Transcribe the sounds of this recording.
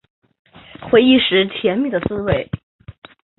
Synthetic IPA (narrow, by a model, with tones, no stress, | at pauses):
xwe˧˥ɪi˥˩ʂɻ̩˧˥t̪ʰjɛ˧˥nmi˥˩d̪ə˩t͡sɹ̩˥we˥˩ɪ